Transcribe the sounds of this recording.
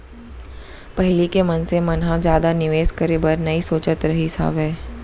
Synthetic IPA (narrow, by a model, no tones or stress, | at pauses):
pɐɦlikemɐnsemɐnɦãd͡ʒjaːd̪anɪʋeːskəɾeːbəɾnɐisoːt͡ʃət̪ɾɐɦisa̰ːʋɛː